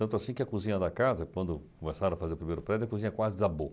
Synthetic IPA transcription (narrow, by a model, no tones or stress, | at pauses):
ɐ̃nt̪ʊasĩkɪɐkuzĩɲɐd̪ɐkazɐkwɐ̃nd̪ʊkõmesaɾɐ̃ɐfazeɾʊpɾimejɾʊpɾɛd̪ʊɐkuzĩɲɐkwazɪd̪ɪabo